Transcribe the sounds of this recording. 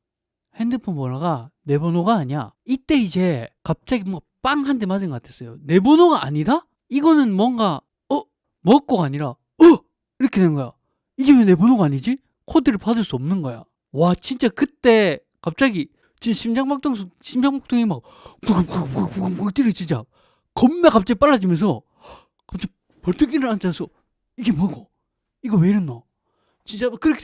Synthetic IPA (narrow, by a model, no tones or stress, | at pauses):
hendɯpʰonbʌɭːaɡane̞bonoɡaːɲia̰it͈e̞id͡ʑe̞kap̚t͡ɕ͈aɡimoŋɡap͈aŋɦandemadɯnɡʌkatʰe̞s͈ʌjone̞bonoɡaʔːɲida | iɡʌnɯnmwʌŋɡa | ʌ | mʌk̚k͈oɡaɲiɾa | ʌ | iɾʌkʰeennɡʌja | iɡemene̞bonoɡaːɲid͡ʑi | kʰodɯɾɯɭpadɯɭs͈uʌmnɯnɡʌja̰ | wat͡ɕint͡ɕ͈akɯt͈e̞ | kap̚t͡ɕ͈aɡi | t͡ɕint͡ɕaɕʰimd͡ʑaŋbak̚t͈oŋsʰoɕʰimd͡ʑaŋpak̚t͈ʰoŋimaɡ | kuɡkpkuɡamkut͈iɾit͡ɕint͡ɕ͈a̰ | kʌmnekap̚t͡ɕ͈aɡip͈aɭːad͡ʑimjʌnsʰʌ | kap̚t͡ɕ͈aɡi | pʌɭtʰɯk̬iɾɯɾant͡ɕansʰʌ | iɡemʌɡo | iɡʌmeɾɯnːo | t͡ɕint͡ɕ͈akɯɾʌkʰ